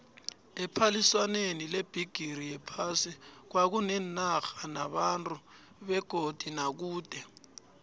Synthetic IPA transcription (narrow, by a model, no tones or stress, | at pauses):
ɛpʰaliswanenileb̥ʱiɡ̥ʱiɾijɛpʰasik̬wak̬unɛnaxanaɓantʼu | ɓɛɡ̥ʱod̥ʱinak̬uːd̥ʱɛ